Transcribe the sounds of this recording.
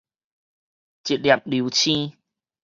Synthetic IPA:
t͡ɕi˨˩t̚lja˨˩p̚li˨˦t͡ɕʰĩ˦

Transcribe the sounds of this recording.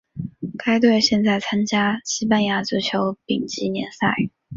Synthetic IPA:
ka˥ɪt̪̬we˥˧ɪɕjɛ˥˧nt͡sa˥˩ɪt͡sʰa˥nt͡ɕja˥ɕi˥pa˥˧nja˥˩t͡s̩˧˥t͡ɕʰjo˧˥ʊpḭ˨˩ŋt͡ɕi˧˥njɛ˧˥nsa˥˩ɪ

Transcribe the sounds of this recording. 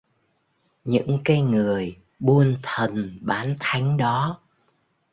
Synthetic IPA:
ɲɨ̰˧˥ŋkaː˨˦jŋɨ˨˩əj | ɓu˧ənt̪ʰə˨˩nɓaː˨˦nt̪ʰa˨˦jŋ̟ɗɔ˨˦

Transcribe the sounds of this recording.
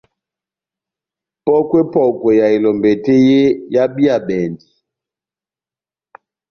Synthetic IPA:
pɔ˦kwe˦pɔ˨kwɛ˨ja˨i˨lɔ˨mbɛ˨te˦je˦ja˦bi˦a˨ɓɛ˨ndi˨

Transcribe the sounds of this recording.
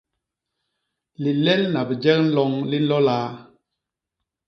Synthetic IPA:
li˨lɛ˦lna˨bə˨d͡ʒɛ˦k̚n̩˦lɔ˦ŋli˦n̩˦lɔ˦laː˦

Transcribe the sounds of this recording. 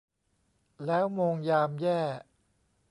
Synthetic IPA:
lɛː˦˥wmoː˧ŋjaː˧mjɛː˥˩

